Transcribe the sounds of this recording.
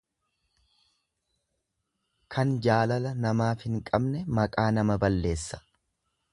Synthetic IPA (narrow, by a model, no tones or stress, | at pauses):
kʰɐnd͡ʒaːlɐlɐnɐmaːfhɪŋkʼɐbnɛmɐkʼaːnɐmɐbɐlːe̞ːsːɐ̥